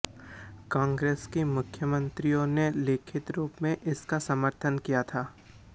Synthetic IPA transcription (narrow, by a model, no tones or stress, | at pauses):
kãːŋɡɾeːskemʊkʰjəmə̃nt̪ɾijõneleːkʰɪt̪ɾuːpmẽʔɪskasɐməɾt̪ʰənkijat̪ʰaː